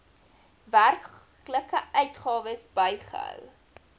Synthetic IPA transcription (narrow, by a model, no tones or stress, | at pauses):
værk | ləkəœɥtχɑːvəsbəjχə̰ɦœ̰w